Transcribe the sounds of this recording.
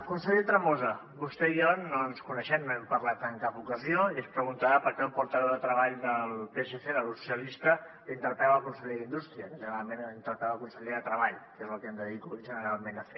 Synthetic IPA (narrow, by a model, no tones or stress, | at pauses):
kunsəʎet̪ɾəmozə | βust̪ɛionnoənskunəʃɛmnoɛmpərlat̪əŋkapukəzioiəspɾəɣunt̪aəpəɾkɛmpuɾt̪əβɛwðət̪ɾəβaʎd̪əlˠpeʒeseðəlsu̥siəlist̪ə | int̪əɾt̪aəkunsəʎeðind̪ust̪ɾiəkəʒənɾalˠmenint̪əɾt̪aəkunsəʎeðət̪ɾəβaʎkezəlˠkɛmd̪əðikuʒənəɾalˠmenəfe